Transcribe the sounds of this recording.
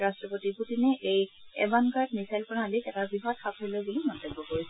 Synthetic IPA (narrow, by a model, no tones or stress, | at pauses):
ɹastɹɔpotibʰutinɛʔejɛ̰bankaɹtnisajlpɔnalikɛtabiɦɔtxapʰolɔjbulimɔntɔbːɔkoɹisɛ